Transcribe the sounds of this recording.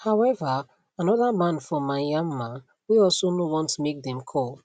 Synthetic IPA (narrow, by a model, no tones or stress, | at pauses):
haʊɛva | anɔðamãnfɔmaɪjãmːã | wiɔlˠsonowɔ̃ntmek̚dɛ̃mkʰɔlˠ